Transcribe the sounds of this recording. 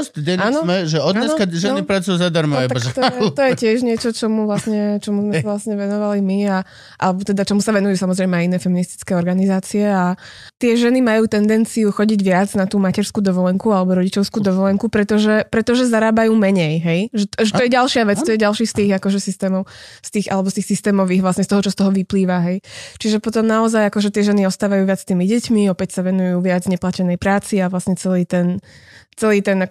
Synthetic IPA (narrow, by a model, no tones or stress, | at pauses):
ɔst̪d̪ɛnaːnɔmɛʒɛɔd̪anskaʒɛnipɾat͡sujuzad̪aɾmaaaʒt̪ɔɛt̪ɔjɛcɪɛʒɲɪɛt͡ʃɔt͡ʃɔmuʋlasɲɛt͡ʃɔmuzmɛsaʋlasɲɛʋɛnɔʋalimia | ʔa̰lɛbɔt̪ɛd̪at͡ʃɔmusaʋɛnujuːsamɔzɾɛjmɛajinɛːfɛminist̪i̥t͡skɛːɔɾɡanizaːt͡siɛa | t̪ɪɛʒɛnimajuːt̪ɛnd̪ɛnt͡siuxɔɟiɟʋɪad͡znat̪uːmacɛɾskuːd̪ɔʋɔlɛŋkualɛbɔɾɔɟit͡ʃɔʊskuːd̪ɔʋɔlɛŋkupɾɛt̪ɔʒɛpɾɛt̪ɔʒɛzaɾaːbajuːmɛɲɛjɦɛjʒɛtʒɛt̪ɔjɛɟalʃɪaʋɛt͡st̪ɔjɛɟalˠʃiːst̪iːɣakɔʒɛsist̪ɛːmɔʊst̪iːɣʔa̰lɛbɔst̪iːxsist̪ɛːmɔʋiːɣʋlasɲɛst̪ɔɦɔt͡ʃɔst̪ɔɦɔʋipliːʋaɦɛjt͡ʃiʒɛpɔt̪ɔmnaɔzajakɔʒɛt̪ɪɛʒɛniɔst̪aːʋajuːʋɪat͡sst̪iːmiɟɛcmiɔpɛcsaʋɛnujuːʋɪad͡zvɲɛplacɛnɛjpɾaːt͡siaʋlasɲɛt͡sɛliːt̪ɛnt͡sɛliːt̪ɛna